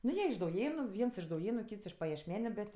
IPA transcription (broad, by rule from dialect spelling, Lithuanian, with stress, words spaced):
ˈnʊ ˈjiɛ ɪʃ dɐʊˈjeːnʊ ˈʋʲiɛns ɪʃ dɐʊˈjeːnʊ ˈkʲiːts ɪʃ pɐjɛʃʲˈmʲæːnʲʊ ˈbʲɛt